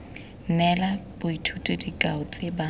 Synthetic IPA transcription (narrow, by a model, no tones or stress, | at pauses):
nɛlabʊitʰutʼʊdikʼaʊt͡sʼeba